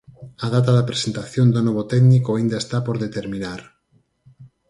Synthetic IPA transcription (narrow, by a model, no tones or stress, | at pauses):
aðat̪aðapɾesent̪aθjond̪onɔβot̪ɛɡnikoaind̪aest̪apoɾðet̪eɾminaɾ